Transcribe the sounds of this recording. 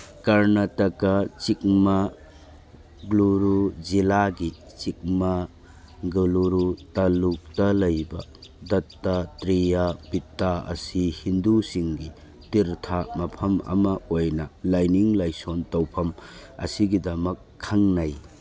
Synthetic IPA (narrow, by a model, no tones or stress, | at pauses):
kɐɾnɐtɐkɐt͡ʃik̚mɐ | ɡluɾuzilaɡi | t͡ʃik̚mɐ | ɡuluɾutaluk̚tɐlɐjbɐdɐtːatɾijabitːaɐ̰sihindusiŋɡi | tiɾtʰamɐpʰɐmɐ̰mɐojnɐlajniŋlajsontɐwpʰɐmɐ̰siɡidɐmɐkʰːɐŋnɐj